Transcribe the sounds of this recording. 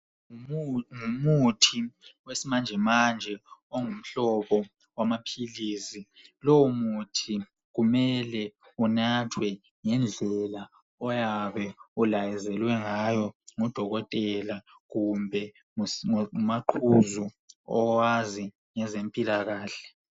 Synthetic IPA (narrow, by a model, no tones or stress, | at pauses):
ŋumutʰiwesimand͡ʒʱɛmand͡ʒʱɛoŋum̩ɬɔɓɔ | wamapʰiliːsi | lowumutʰi | ɣumɛlɛ | unatʰwɛ | ŋɛnd͡ɮʱɛla | ɔjaβɛulajɛzɛlwɛŋajɔŋɔd̥ʱɔɣɔtʼɛla | ɣumbʱɛ | umaǃʰuzu | ɔwazi | ŋɛzempʼilaɣaːɬɛ̥